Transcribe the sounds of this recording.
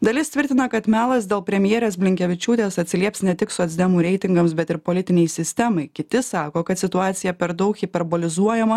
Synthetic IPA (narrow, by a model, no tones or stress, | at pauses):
d̪ɐlʲɪst̪ʲʋʲɪɾʲt̪ʲɪnɐkɐt̪mʲæːlˠɐsd̪ʲeːlˠpʲɾʲɛmʲjeːɾʲeːs̬bʲlʲɪŋʲkʲɛʋʲɪt͡ʃʲuːt̪ʲeːsɐt̪ʲsʲɪlʲiɛpsnʲɛt̪ʲɪksʊɐzʲd̪ʲɛmuːɾʲɛɪt̪ʲɪŋɡɐmsbʲɛt̪ɪɾpoːlʲɪt̪ʲɪnʲɛɪsʲɪsʲt̪ʲɛmɐɪkʲɪt̪ʲɪsɑːkoːkɐt̪sʲɪt̪ʊɑːt̪sʲɪjɛpʲɛɾd̪ɐʊkipʲɛɾboːlʲɪzuɔjɛmɐ